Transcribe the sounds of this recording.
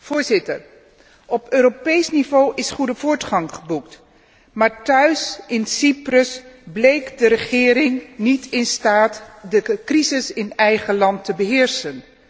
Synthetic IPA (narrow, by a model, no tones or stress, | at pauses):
v̥ʊːɹzɪtəɹ | ɔpøːɾopejsnivowʔɪsχudəvʊːɹtχɑŋχəbukt | maːɹtœɥsɪnsiprəsblejkdəɾəχɪːɾɪŋnitʰɪnstaːtdəkrizɪsɪnɛjχəlɑntəbəɦɪːɹsən